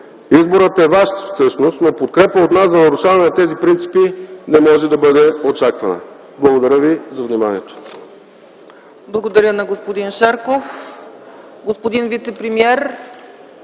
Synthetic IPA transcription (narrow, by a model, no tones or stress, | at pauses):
izboɾət̪ɛvaʃt̪fsɤʃnost̪nopot̪̚kɾɛpəot̪naszɐnɐɾʊʃavɐnɛnɐt̪ɛzipɾint̪si̥pinɛmɔʒɛd̪ɐbɤd̪ɛot͡ʃakvɐnə̰ | blˠɐɡod̪ɐɾʲəvizɐvnimaniɛt̪o̥ | blˠɐɡod̪ɐɾjənɐɡospod̪inʃaɾkof | ɡospod̪invit̪sɛpɾɛmiɛɾ